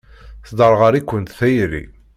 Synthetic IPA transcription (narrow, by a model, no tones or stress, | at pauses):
θd̪ˤəɾˤʁəɾikʷːənt̪θæjɾḭ